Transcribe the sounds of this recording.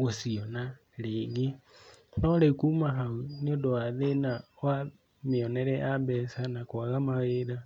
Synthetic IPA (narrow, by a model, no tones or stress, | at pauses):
ɣosiona | leɡinolekumaɦauniodoaðenaoa | miɔnɛɾɛʔabɛsanakwaɣamaɣeɾa